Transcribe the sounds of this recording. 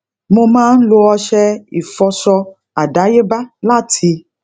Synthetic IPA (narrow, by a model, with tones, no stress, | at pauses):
mo˧mãː˦n̩˦lo˧ɔ˧ʃɛ˦i˨fɔ˧sɔ˧ | a˨ɖa˨˦je˦ba˦la˦tʰi˧